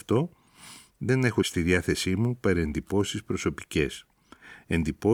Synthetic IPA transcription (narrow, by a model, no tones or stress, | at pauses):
ft̪o̞ | ðe̞ne̞xo̞st̪iðiɐθe̞simupɐɾe̞nd̪ipo̞sispɾo̞so̞pi̥ce̞s | e̞nd̪ipo̞